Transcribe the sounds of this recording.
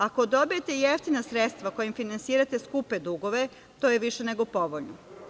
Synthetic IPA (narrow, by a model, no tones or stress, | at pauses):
ako̞d̪o̞bije̞t̪e̞jeft̪inasɾet̪st̪ʋako̞jimfinansiːɾat̪e̞skuped̪uɡo̞ʋe̞ | t̪oːjeʋiʃene̞ɡo̞po̞ʋoʎno